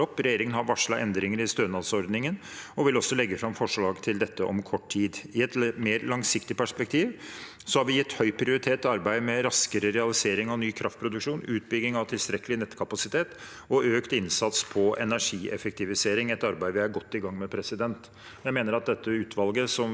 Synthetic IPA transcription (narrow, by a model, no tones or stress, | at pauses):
ɔpːɾɛjeːɾɪŋənhɑɾʋɑʂɭɑ̰ʔɛnd̪ɾɪŋəɾɪst̪øːnɑsɔɾd̪nɪŋən | ɔʋɪlɔsːɔlɛɡːəfɾɑmfɔʂɭɑːɡt̪ʰɪld̪ɛt̪ːəʔɔ̰mkʰɔʈːʰiːd̪ɪɛt̪meːɾlɑŋsɪkt̪ɪpʰæʂpɛkt̪ʰiːʋ | sɔhɑɾʋɪjɪt̪ːhœʏpʰɾɪʊɾɪt̪ʰeːt̪ːɔɑɾbæɪd̪mɛɾɑskəɾəɾɛɑlɪseːɾɪŋɑnyːkʰɾʔɑft̪̚pʰɾʊd̪ʉkʂuːnʉːt̪̚bʏɡnɪŋɑʋt̪ʰɪlst̪ɾɛkːəlɪnɛt̪kʰɑpɑsɪt̪ʰeːt̪ | ɔøːkt̪ɪnsɑt̪spʰɔɛnæʂiːʔɛ̰fək̚t̪ɪʋɪseːɾɪŋɛt̪ɑɾbæɪəʋɪæɾɡɔt̪ːɪɡɑŋːmɛpʰɾɛsɪd̪ɛnt̪ | jæɪmeːnəɾɑt̪̚d̪ɛt̪ːəʉːt̪ʰʋɑlɡəsɔm